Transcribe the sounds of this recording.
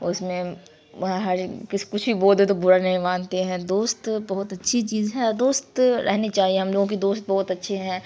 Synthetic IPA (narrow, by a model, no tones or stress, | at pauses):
ʊsmẽ | ɦɐɾkɪskʊt͡ʃʰbʱiboːld̪et̪̬obʊɾanɐɦĩʋãːnt̪eɦɛ̃ːd̪oːst̪bɐɦʊt̪ɐtːʃʰit͡ʃiːzɦɛ̃d̪oːst̪ɾʔɛ̰ɦnit͡ʃaːɦieɦɐmloːɡõk̬id̪oːst̪̚bɔɦʊt̪ɐtːʃʰeɦɛ̃ː